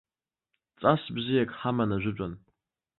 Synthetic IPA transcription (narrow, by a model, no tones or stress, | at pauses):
t͡sʼasbzijakʼħamanaʒʷʊt͡ʃʷʼan